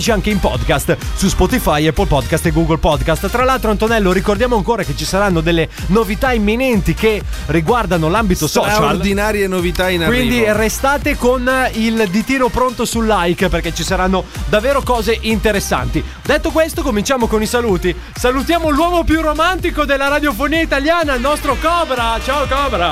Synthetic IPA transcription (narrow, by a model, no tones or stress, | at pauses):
t͡ʃiaŋkeimpɔd̪kast̪suspɔt̪ifajɛpːolpɔd̪kast̪eɡuːɡolpɔd̪kast̪t̪ːɾalːalt̪ɾoant̪onɛlːoɾikord̪jaːmoaŋkoːɾaket͡ʃisaɾanːod̪elːenovit̪aimːinɛnt̪ike | riɡward̪anolambit̪osɔːt͡ʃaolrd̪inaːɾjenovit̪ainakwind̪irest̪aːt̪ekonild̪it̪iːnopɾont̪osulːajkperket͡ʃːisaɾanːod̪avːeːɾokɔːzeʔint̪eɾesːa̰nt̪i | d̪et̪ːokwest̪okomint͡ʃaːmokonisaluːt̪i | salut̪jaːmolwɔːmopjuromant̪ikod̪elːaɾad̪jofoniːait̪aljaːnanɔst̪ɾokɔbɾat͡ʃaokɔbɾa